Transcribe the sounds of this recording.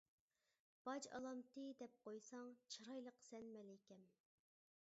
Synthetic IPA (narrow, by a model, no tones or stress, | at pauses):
b̥ɑd͡ʒɑ̰lˠɑmt̪ɨd̪ɛp̚qʰojsɑŋt͡ʃʰiɾɑjlˠəqsɛnmɛlɛkʲɛm